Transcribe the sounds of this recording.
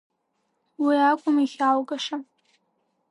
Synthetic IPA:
wiakʷʼʊmiχʲalɡaʂa

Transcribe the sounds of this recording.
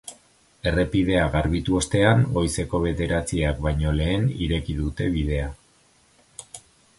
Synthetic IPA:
e̞re̞pið̞e̞aɣaɾβit̪uo̞st̪e̞aŋo̞jse̞ko̞βe̞ðe̞ɾat͡siak̚βajɲo̞le̞ːniɾe̞kiðut̪e̞βið̞e̞a

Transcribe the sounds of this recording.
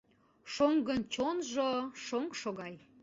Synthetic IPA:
ʃoŋɡənt͡ɕonʒoʃoŋʃoɣɑj

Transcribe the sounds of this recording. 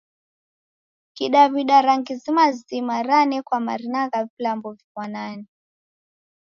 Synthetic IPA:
kiɗaβiɗaɾaŋɡizimazimaɾanɛkwama̰ɾinaɣavilambɔvimwanani

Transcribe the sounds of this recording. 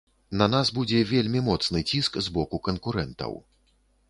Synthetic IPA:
nɐnasbud͡zʲɛvʲelʲmʲimɔt̪snɨt͡sʲiskzbɔkukɐnkuɾɛnt̪ɐ̰w

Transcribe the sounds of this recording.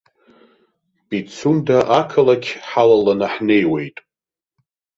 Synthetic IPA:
b̥it͡sʰundaʔakʰalakʲʰħalalanaħne̞jwe̞jtʼ

